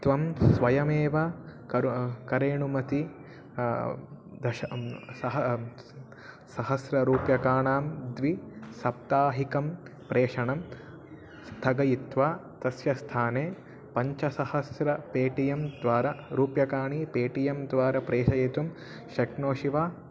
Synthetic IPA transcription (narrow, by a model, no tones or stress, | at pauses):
t̪ʋɐmsʋɐjɐmeːʋɐkɐɾkɐɾeːɳumɐt̪i | d̪ɐʃɐsɐɦɐ | sɐɦɐsɾɐɾuːpjɐkaːɳaːmd̪ʋisɐp̚t̪aːɦikɐmpɾeːʂɐɳɐm | st̪ʰɐɡɐjit̪ʋaːt̪ɐsjɐst̪ʰaːneː | pɐɲt͡ʃɐsɐhɐsɾɐpeːʈijɐmd̪ʋaːɾɐɾuːpjɐkaːɳipeːʈijɐmd̪ʋaːɾɐpɾeːʃɐjet̪um | ʃɐknoːʃiʋaː